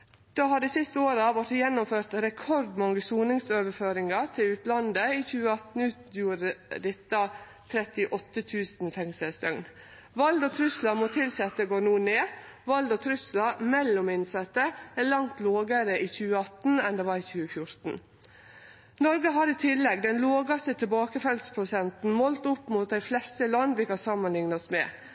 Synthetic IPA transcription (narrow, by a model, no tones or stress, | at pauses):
d̪̥ɑːhɑd̪ɛsɪst̪əoːɾəɑʋɔʈːjɛnːʊmføːɾt̪ɾɛkʰɔɾd̪mɔŋəsuːnɪŋsøːʋəɾføːɾɪŋɑt̪ʰɪʉːt̪lɑnd̪əiːçʉːəɑt̪n̩ʉːt̪juːɾəd̪ɪt̪ːɑ | t̪ʰɾɛt̪ɪʔɔt̪ːət̪ʰʉːsnfɛŋsəst̪œŋn | ʋɑld̪oːt̪ʰɾʉslɑmɔt̪ʰɪlsɛt̪ːəɡoːnuːneːʋɑld̪ɔːt̪ʰɾʉslɑmɛlːʊmɪnsɑt̪ːəæɭɑŋt̪loːɡəɾəiːçʉːəɑt̪n̩ɛnd̪ɛʋɑɾiçʉːəfjʊɾt̪n̩ | nɔɾɡəɦɑɾit̪ʰɪlːɛɡd̪ɛnloːɡɑst̪ət̪ʰɪbɑːkəfɛlspʰɾʊsɛnt̪n̩moːlt̪ʊpːmʊt̪̚d̪æɪflɛst̪əlɑnd̪ʋɪkɑsɑmːənlɪŋnɑɔsmɛː